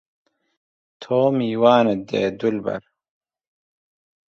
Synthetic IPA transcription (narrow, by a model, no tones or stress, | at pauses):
t̪ʰoːmiːwaːned̪ḛːd̪ulbɐ̰ɾ